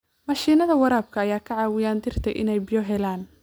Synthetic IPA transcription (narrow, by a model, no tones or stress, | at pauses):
mɐʃiːnɐðɐwɐɾaːb̚kʰɐːjaːkʰɐʕɑːwɪjaːnd̪ɪr̥t̪ʰɛ̰jʔɪ̰nɛjbɪjɔɦɛlaːn